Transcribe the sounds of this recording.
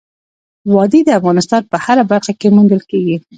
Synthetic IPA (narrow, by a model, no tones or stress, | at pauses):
wɑd̪id̪əafɣɑnɪst̪ɑnpəhaɾabaɾxakemund̪əlkeɡi